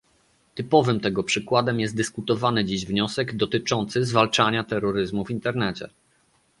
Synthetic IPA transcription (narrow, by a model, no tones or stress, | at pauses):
t̪ɘpɔvɘmt̪ɛɡɔpʂɘkwad̪ɛmjɛst̪̚d̪ɘskut̪ɔvanɘd͡ʑiʑvɲɔsɛɡd̪ɔt̪ɘt͡ʂɔnt̪sɘzvalt͡ʂaɲat̪ɛɾːɔɾɘzmuvʲint̪ɛɾnɛt͡ɕɛ̰